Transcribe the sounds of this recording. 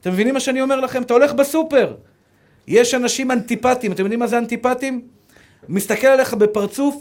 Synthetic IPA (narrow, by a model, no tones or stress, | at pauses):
at̪e̞mːevinimaʃeanio̞me̞ʁlaχe̞mat̪ao̞le̞χbesupe̞ʁ | je̞ʃanaʃimant̪ipat̪imat̪emjod̪imazeant̪ipat̪imː | ist̪akelale̞χabe̞paʁt͡suf